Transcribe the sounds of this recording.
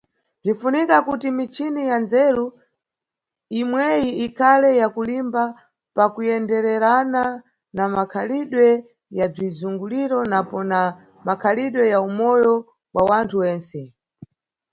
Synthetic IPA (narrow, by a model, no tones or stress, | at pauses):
b͡ʐinfunikakutimit͡ʃʰinijanzɛɾu | imwɛjiikʰalɛjakulimba | pakujɛndɛɾɛɾana | namakʰaliɗwɛ | jab͡ʐizuŋɡuliɾɔnapɔna | makʰaliɗwɛjaumɔjɔ | wawantʰuwɛːnsɛ